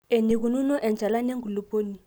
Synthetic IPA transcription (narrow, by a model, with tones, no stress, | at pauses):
e˨ni˨k̬u˨nu˦nɔ˦ʔɛ˨nd͡ʒʱa˨la˦ne˦ŋɡʱu˨lu˨poː˦ni˨